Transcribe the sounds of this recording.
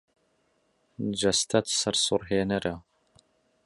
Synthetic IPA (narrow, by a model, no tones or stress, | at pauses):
d͡ʒɐst̪ʰɐt̪sɐɾsurɦeːnɐɾʔɐ